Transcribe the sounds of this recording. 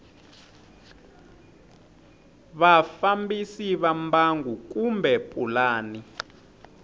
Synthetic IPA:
βafambisiβambaŋɡuk̬umbʱɛpʼulaːni

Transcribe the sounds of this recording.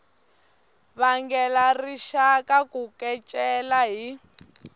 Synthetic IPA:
βaŋɡɛlariʃakakukɛt͡ʃʼɛlaɦi

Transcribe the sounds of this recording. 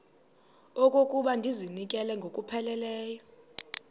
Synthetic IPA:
okʼokʼuɓandʱizinik̬ʼɛlɛŋɡʱokʼupʰɛlɛlɛːjɔ

